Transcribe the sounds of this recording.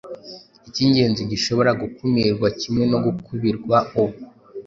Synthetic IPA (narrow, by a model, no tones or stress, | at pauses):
iciːɲɟe̞ːnziɟiʃo̞βo̞ɾaɡukumiɾɡwacimŋe̞no̞ɡukʰuβiɾɡwauβu